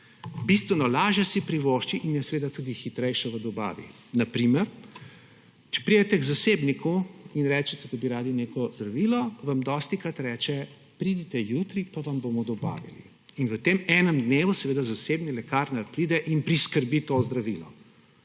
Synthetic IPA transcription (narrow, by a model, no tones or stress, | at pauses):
bist̪ʋɛnɔlaːʒjɛsipɾiʋoːʃt͡ʃiʔimjɛsɛʋeːd̪at̪ud̪ixit̪ɾɛjʃɔʋəd̪ɔba̰ːʋḭ | nɐpɾimɛɾ | t͡ʃɛ̥pɾid̪ɛt̪ɛɡzasebnikuinɾɛːt͡ʃɛt̪ɛd̪abiɾaːd̪ineːkɔzd̪ɾɐʋilɔʋamd̪ɔst̪ikɾat̪ɾɛːt͡ʃɛ | pɾid̪it̪ɛjut̪ɾipaʋɐmboːmɔd̪ɔba̰ːʋḭlḭ | inʋət̪eːmɛːnəmd̪neːʋusɛʋeːd̪azaseːbnilɛkaːɾnapɾiːd̪ɛʔinpɾiskəɾbit̪oːzd̪ɾaʋilɔ